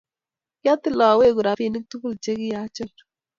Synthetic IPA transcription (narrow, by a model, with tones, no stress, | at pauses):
ja˦t̪ɪ˦˨lɔ˨we˦˨ku˨ɾa˨fi˦˨nɪ˦k̚tu˦bu˦lt͡ʃe˦kɪ˦ja˦t͡ʃɔ˦˨l